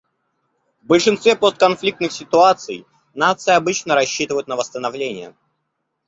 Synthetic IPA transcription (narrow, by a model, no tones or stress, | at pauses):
vbəlʲʂɨnst̪vʲepost̪̚kɐnflʲik̚t̪nɨxsʲɪt̪ʊat̪sɨj | nat̪sɨjɪɐbɨt͡ɕnəɾɐɕːit̪ɨvəjʊt̪nəvəst̪ənɐvlʲenʲɪjə̰